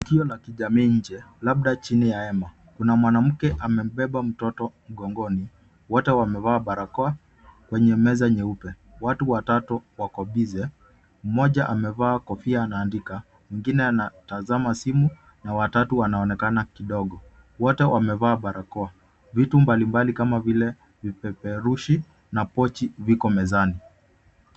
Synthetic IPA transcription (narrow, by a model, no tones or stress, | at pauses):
tukiɔlakiʄamiːɲ̩d͡ʒɛlaɓ̚ɗat͡ʃinijaɛma | kunamwanam̩kɛʔamɛm̩ɓɛɓam̩tɔtɔm̩ɡɔŋɡɔni | wɔtɛwamɛvaːɓaɾakɔa | kwɛɲɛmɛzaɲɛupɛ | watuwatatuwakɔɓizɛ | m̩mɔʄaʔamɛvaːkɔfiaːnaːndika | wiŋɡinɛanatazamasimu | nawatatuwanaɔnɛkanakiɗɔɠɔ | wɔtɛwʔamɛvaːɓaɾʔakɔa | vitumbalimbalikamavilɛ | vipɛpɛɾuʃi | napɔt͡ʃivikɔmɛzani